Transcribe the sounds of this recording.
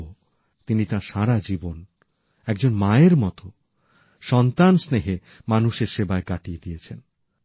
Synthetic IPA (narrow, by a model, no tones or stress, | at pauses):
t̪init̪aɾʃaɾad͡ʑibon | ɛkd͡ʑonmaeɾmɔt̪o | ʃɔnt̪ansneɦe | manuʃeɾʃebaekaʈied̪ijet͡ɕʰen